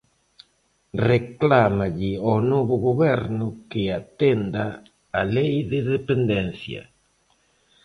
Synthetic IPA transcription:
reklamaʎɪɔnoβʊɣoβɛɾnʊkɪat̪end̪aː | lejðɪðepend̪ẽnθjɐ̰

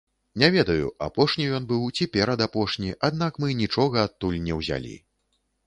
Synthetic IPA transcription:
nʲɛvʲɛd̪ɐjṵa̰pɔʂnʲijɔnbɨwt͡sʲipʲɛɾɐd̪apɔʂnʲiʔad̪̚nakmɨnʲit͡ʂɔɣɐːt̪ːulʲnʲɛwzʲa̰lʲḭ

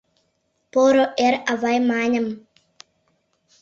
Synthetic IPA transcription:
poɾoʔeɾavajmaːɲam

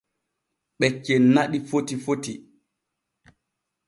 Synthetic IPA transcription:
ɓɛt͡ʃːɛnaɗifotifoti

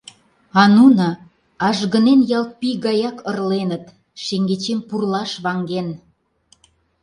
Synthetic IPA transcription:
ɑnunɑ | ɑʒɣənenjɑlt̪̚piɣɑjɑkərlenət̪ | ʃeŋɡet͡ɕempurlɑʃβɑŋɡen

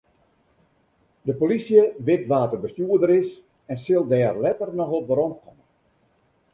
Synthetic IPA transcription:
dəpolisjəʋɪtʋaːtərbəstjuədəɾɪs | ɛnsɪlˠdɛːrlɛtərnɔxot̚ʋəɾɔnkʰɔmən

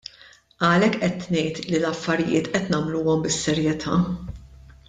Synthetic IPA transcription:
ʔɐlɛkːʔɛt̪nɛjt̪lilɐfːɐɾɪjɪ̰ːt̪ʔɛt̪nɐmluːɔmbɪsːɛɾjɛt̪ʰɐː

